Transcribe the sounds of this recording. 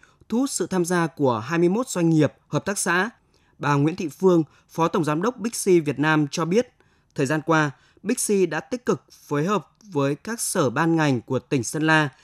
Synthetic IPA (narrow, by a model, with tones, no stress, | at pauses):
t̪ʰu˦˥t̚sɨ̰˧˨t̪ʰaː˧mzaː˧ku˧˩əɦaː˧jmɨ˧əjmo˦˥t̚z̥wa˧jŋ̟ŋi˨˩əp̚həː˨˩p̚t̪aː˦˥k̚sa̰ː˧˥ | ɓaː˨˩ŋwḭ˧˥ənt̪ʰḭ˧˨fɨ˧əŋ | fɔ˨˦t̪ə˧˩wŋ͡mzaː˨˦mɗə˦˥wk͡p̚ɓï˦˥k̟̚si˧vi˨˩ət̚naː˧mt͡ɕɔ˧ɓi˦˥ət̚ | t̪ʰəː˨˩jzaː˧nkwaː˧ | ɓi˦˥k̟̚si˧ɗa̰ː˧˥t̪i˦˥k̚kɨ˨˩k̚fəː˨˦jɦəː˨˩p̚vəː˨˦jkaː˦˥k̚səː˧˩ɓaː˧nŋa˨˩jŋ̟ku˧˩ət̪ï˨˩ŋ̟sə˧nlaː˧